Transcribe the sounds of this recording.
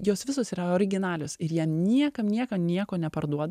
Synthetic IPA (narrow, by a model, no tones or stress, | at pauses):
joːsʋʲɪsoːsiːɾɐoːɾʲɪɡʲɪnɑːlʲoːsɪɾjiɛnʲiɛkɐmnʲiɛkɐmnʲiɛkoːnʲɛpɐɾd̪uɔd̪